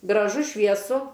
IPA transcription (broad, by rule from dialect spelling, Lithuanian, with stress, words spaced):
ɡrɐˈʒʊ ʃʲʋʲiɛˈsʊ